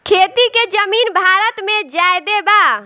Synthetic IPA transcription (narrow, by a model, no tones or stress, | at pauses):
kʰeːt̪iked͡ʒəmiːnbʱaːɾət̪mẽd͡ʒaːjd̪ebaː